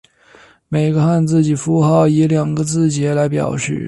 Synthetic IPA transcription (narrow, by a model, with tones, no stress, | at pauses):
me˨˩ɪɡə˧˦xa˥˧nt͡sɹ̩˥˩t͡ɕi˨˩fu˥xɑ˥˩ʊi˧˥ljɑ˨˩ŋɡə˧˦t͡sɹ̩˥˩t͡ɕjɛ˧˥la˧˥ɪpjɑ̰˨˩ʊʂɻ̩̰˥˩